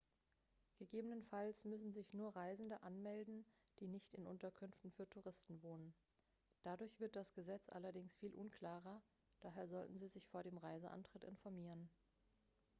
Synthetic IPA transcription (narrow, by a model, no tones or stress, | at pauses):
ɡ̥əɡeːbənənfalsmʏsn̩zɪçnuːɐʁaɪzn̩dəʔanmɛldn̩ | d̥iːnɪçtɪnʔʊntɐkʰʏnftn̩fyːɐtʰuʁɪstn̩voːnən | d̥adʊɐçv̥ɪɐt̚d̥asɡ̥əzɛt͡sʔa̰lɐdɪŋsfiːlʔʊnkʰl̥aːʁɐ | d̥aːɦeːɐzɔltn̩ziːzɪçfoːɐdeːmʁaɪzəʔa̰ntʁ̥ɪtʔɪ̰nfɔɐmiːʁ̞ən